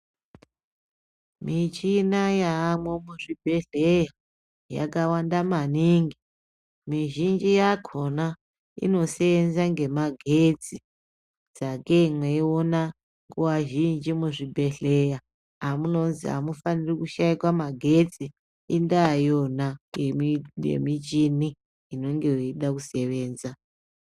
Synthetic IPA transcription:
mit͡ʃinajaːmwemuʐibʱe̞ɮeja | ja̰kawandamaniːŋɡi | miʒind͡ʒijakʰona | ḭno̞seenzaŋɡe̞maɡʱed͡zi | d͡zakemweiona | ŋɡuwaʒind͡ʒimuʐibʱe̞ɬe̞ja | amuno̞nziɦa̰mufanirikuʃaikwamaɡʱe̞d͡zi | indajona | jḛmit͡ʃini | ino̞ŋɡe̞joiɗakuse̞ʋe̞ːnza

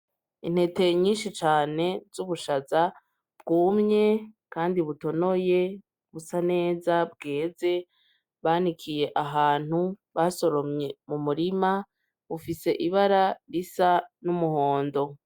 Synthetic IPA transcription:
in̥he̞te̞ɲiːnʃit͡ʃaːne̞zuβuʃaza | bɡuːmɲe̞kaːndiβuto̞no̞je̞ | βusane̞ːzabɡe̞ːze̞ | βaːnikʰije̞ʔaɦaːn̥huβaso̞ɾo̞mɲe̞mumuɾima | βufise̞ʔiβaɾaɾisanumuho̞ːndo̞

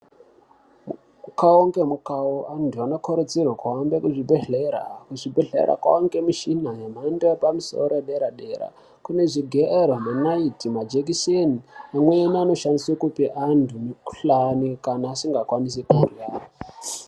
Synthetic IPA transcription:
m | mukaoŋɡemukaoʔandʰʱuano̞kʰoɾed͡zirwakaambekuʐibʱeɮeɾa̰kuʐibʱeɮḛɾa̰kwa̰oŋɡe̞miʃinajemandeepamiso̰oɾeɗeɾaɗeɾa̰ | kune̞ʐiɡʱeerwomanaitimad͡ʒekiʃeniamweniano̞ʃandiswekupiʔandʱumiku̥ɬanikanaːsiŋɡakwanis̬ekuurjaːra

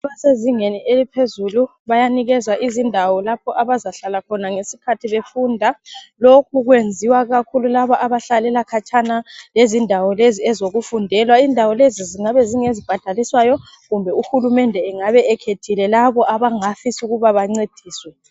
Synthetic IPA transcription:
βaseziŋenielipʰezulu | βajaniɣɛzwaʔizindʱawɔlapʰɔʔaβazaɬalakʰɔnaŋesikʰatʰiβefuːndʱalokʰuɣwend͡zʱiwaɣakʰululaβɔʔaβaɬalɛlakʰat͡ʃʰʼanalezindʱawɔleziɛzoɣufundʱɛlwaindʱawɔleziziŋaβɛziŋezib̥ʱad̥ʱaliswajɔ | ɣumbʱɛuxulumɛndʱɛːŋaβɛɛkʰetʰilɛlaβɔʔaβaŋafisuɣuβaβaŋ͡ǀed̥ʱiːswɛ

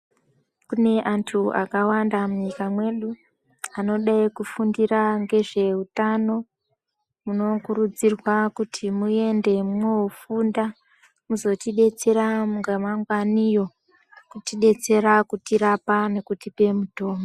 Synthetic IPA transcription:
kune̞ʔantʰua̰kawandamuɲikamwe̞ɗu | ano̞ɗaikufundiɾaŋɡe̞ʐe̞utano̞ | muno̞kuɾud͡zirwakutʰimue̞nde̞mowofunda | muzo̞tiɗe̞t͡se̞ɾauŋɡamaŋɡwanijo̞ | kutiɗe̞t͡se̞ɾakutiɾapane̞kutipe̞muto̞ːmo

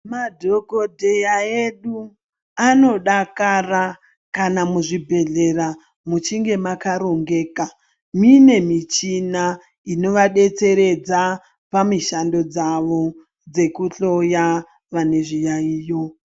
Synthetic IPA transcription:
madʱo̞ko̞dʱe̞jaeɗu | ano̞ɗakara | kanamuʐibʱe̞ɮe̞ra | mut͡ʃiŋɡe̞makaɾo̞ŋɡe̞ːka | mine̞mit͡ʃina | ino̞ʋaɗe̞t͡se̞ɾe̞d͡za | pamiʃando̞d͡zaʋo̞ | d͡ze̞kuɬo̞ja | ʋane̞ʐijaiːjo

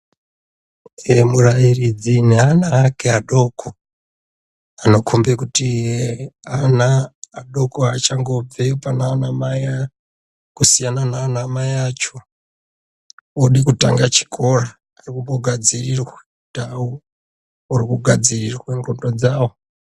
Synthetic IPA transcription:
emurajirid͡zineanaːkeaɗokʰo | ano̞kʰombekuti | anaːɗokoat͡ʃaŋɡob͡vepanaːnamaja | kusijananaːnamajat͡ʃo | oɗikuta̰ŋɡat͡ʃi̥kʰo̞raː | rikumboɡʱad͡zirirwa | tau | urikuɡʱad͡zirirweŋɡondod͡zaːwo

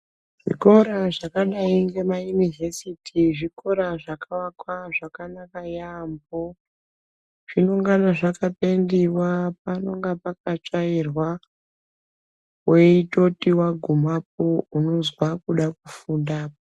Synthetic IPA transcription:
ʐ̥ḭko̞ɾaʐakaɗaiŋɡe̞majunivesitʰiʐiko̞ɾaʐakawakwaʐakanakajambo | ʐ̥ino̞ŋɡanaʐakapendiwap̚ano̞ŋɡapak̚at͡ʂairwa | weito̞tiwaɡʱumap̚ouno̞zwakuɗak̚ufundaːpo

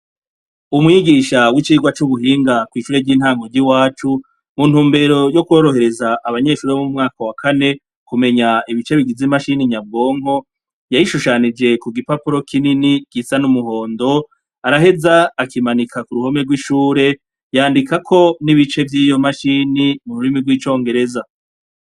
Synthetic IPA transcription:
umŋiɡiʃawit͡ʃiːɡwat͡ʃuβuɦiːŋɡakwiːʃuːɾe̞ɟiːn̥haːŋɡo̞ɾɟiwaːt͡ʃu | mun̥uːmbe̞ɾo̞jo̞kuwo̞ɾo̞ɦe̞ɾe̞zaʔːβaɲe̞ːʃuːɾeomumŋaːkawakʰane̞ | kume̞ɲaiβit͡ʃe̞βiɡizimaʃiniɲab̚ɡo̞ːŋ̥ɦo̞ | jajiʃuʃanid͡ʒe̞kuɡipapuɾo̞kʰininiɡ̥isanumuɦo̞ːndo̞ | aɾaɦe̞zaːkimanikʰakuɾuho̞me̞ɡwiʃuːɾe̞ | jaːndikakʰo̞niβit͡ʃe̞vjiːjo̞maʃinimuɾuɾimiɡwiːt͡ʃo̞ːŋɡe̞ɾe̞za

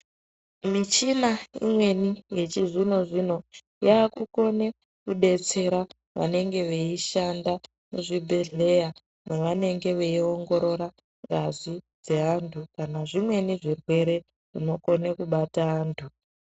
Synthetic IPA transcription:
mit͡ʃinaḭmwe̞nije̞t͡ʃizino̞ʐino̞ | jaːkuko̞ne | kuɗe̞t͡se̞ɾa | ʋa̰ne̞ŋɡe̞ʋeiʃanda | muʐibʱe̞ɮe̞ja | neʋane̞ŋɡe̞ʋe̞io̞ŋɡo̞ɾo̞ɾa | ŋɡazʷid͡ze̞ɦantʰukanaʐimwe̞niʐirwe̞ɾe̞ | ʐ̥ino̞ko̞nekuɓataaːntʰu

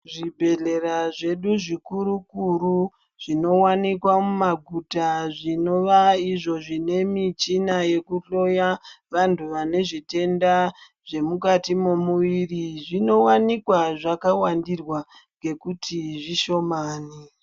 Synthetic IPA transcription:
ʐibʱe̞ɮeɾaʐe̞ɗuʐikuɾukuɾu | ʐ̥ino̞wanikwamumaɡʱutaʐino̞ʋaiʐo̞ʐine̞mit͡ʃinaje̞kuɬo̞jaʋantʰuʋane̞ʐite̞nda | ʐe̞mukatimomuʋiriʐino̞wanikwaʐakawandirwa | ŋɡe̞kutʰiʐiʃo̞maːni

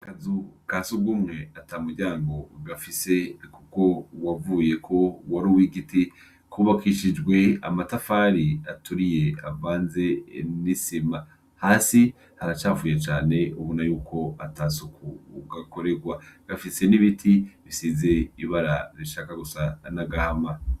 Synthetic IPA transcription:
kazukaːsuɡumŋe̞atamuɾɟaːŋɡo̞ɡafise̞kuko̞wavuːje̞kʰo̞waɾuwiɡiti | kuβakiʃid͡ʒɡwe̞a̰matafaːɾiatuɾije̞a̰vaːnze̞nisima | haːsi | haɾat͡ʃaːvuːjet͡ʃaːne̞uβunajuːkʰo̞atasukʰuɡako̞ɾe̞ɡwaɡ̥afise̞niβitʰiβisize̞iβaɾaɾiʃaːkaɡusanaɡahama

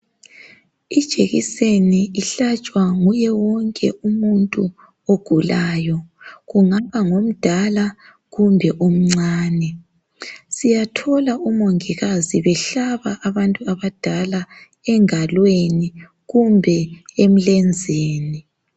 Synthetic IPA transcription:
id̥ʒ̥ʱeɣḭseniiɬat͡ʃʼwaŋujɛwɔŋkʼɛʔumuntʼu | oɡ̥ʱulaːjɔɣuŋaβaŋom̩d̥ʱala | ɣumbʱɛʔum̩ŋ͡ǀaːnɛ | sijatʰɔlaʔumoŋiɣaziβɛɬaβaʔːβantʼuaβad̥ʱala | ɛŋalweni | ɣumbʱɛem̩lɛnd͡zʱeːni

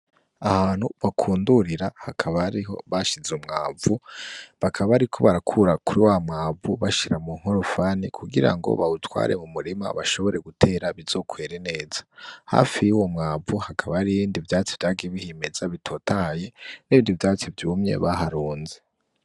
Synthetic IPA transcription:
ahaːnhuβakʰuːnduɾiɾahakʰaβaɾiɦo̞̰βaʃizeumŋaːvuβakʰaβaɾikʰo̞βaɾakʰuɾakuɾiwamŋaːvuβaʃiɾamuŋ̥hoɾofanikʰuɡiɾa̰ŋɡo̞̰βautwa̰ːɾe̞̰mumuɾima̰βaʃo̞βo̞ɾe̞ɡutʰe̞ɾaβizo̞kʰweːɾene̞ːz̥ḁha̰fijuwomŋaːvuhakʰaβaɾiβiːndivjaːt͡siv̥jaːɡieβihimez̥aβitʰo̞taje̞niβiːndivjaːt͡sivjuːmɲe̞̰βaɦaɾuːnze

